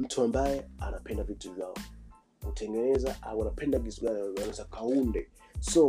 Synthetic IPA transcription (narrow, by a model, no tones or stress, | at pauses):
m̩tʰuambajɛanapʰɛndavituvjaɔ | utʰɛŋɡɛnɛzaʔawanapʰɛndakisuɡaniawɛzakʰaundɛ | sɔ